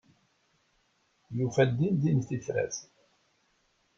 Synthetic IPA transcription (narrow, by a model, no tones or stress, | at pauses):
jufæd̪ind̪inθiθɾæ̰θ